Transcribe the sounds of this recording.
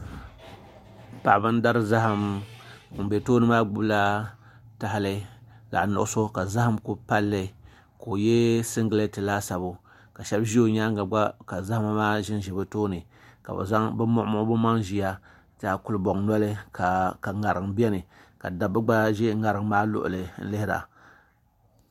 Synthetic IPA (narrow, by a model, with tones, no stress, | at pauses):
pa˨ʔbɨ˦n˦da˦ɾɨ˦za˦ha˦m̩˨˦˨ | be˨toː˦nɨ˨maː˦ɡ͡bu˦bla˦ | ta˨ɦa˦lɨ˦ | la̰˨nʊ̰˨ʔʊ˦so˦ka˨za˦ha˦mku˦pa˦lːɨ˨ | ko˨je˦sɨ˦ŋɡɨ˦lɨ˦tɨ˨la˦sa˨bo˨ | ka˨ʃɛ˦bʒi˦o˨ɲa˦a˨ɡ͡ba˦ka˨za˦ha˦ma˦maː˦ʒɪ˦nʒɪ˨bɨ˦toː˦nɨ˨ | ka̰˨bɛ̰˨za˦ŋbɨ˦mʊ˦ʔmʊ˦bɨ˦ma˦ŋʒi˨ja˦ | ta˨ku˦lɨ˦bɔ˨ŋnɔ˦lɨ˦ka˨ka˨ŋa˨ɾɨ˨ŋbi˦ɛ˦nɨ˨ka̰˨da˨bɨ˦ɡ͡ba˦ʒi˦ŋa˨ɾɨ˨ŋ˦maː˦lʊ̰˦ʔʊ̰˨lɨ˨n̩̰˦lɪ˦hɪ˦ɾa̰˨